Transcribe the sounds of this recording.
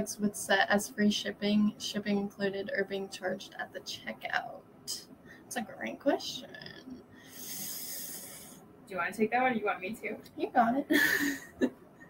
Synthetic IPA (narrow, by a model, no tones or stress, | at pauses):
dswɨð̥sɛɾʔɨz̥fɹiʃɪpɪ̃ŋʃɪpɪ̃ŋɨ̃nkʰl̥ʉɾɨɾə˞biɪ̃ŋt͡ʃʰɑɹd͡ʒdə̰t̪̚ðɨt͡ʃʰɛka̰ʊt̚ | ɪtsɨɡɹḛ̃ɪ̃ŋkʰw̥ɛst͡ʃɨ̰̃n | ɨjɨwɑ̃nɨtʰeɪk̚ðɨt̚wʌ̃dɨjɨwɑ̃nmitʰʉjɨɡɑɾɪt̚